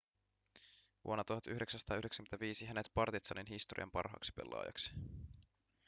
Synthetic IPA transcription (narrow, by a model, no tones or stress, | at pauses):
ʋṵonːɑt̪uhɑt̪yhde̞ksænst̪ɑːydeksæ̥kymeæʋiːsiɦæne̞t̪pɑrt̪it̪sɑninɦist̪oɾʔḭɑ̰mpɑrɦɑ̰ːksi̥pḛlːʔɑ̰ːjɑ̰ksi̥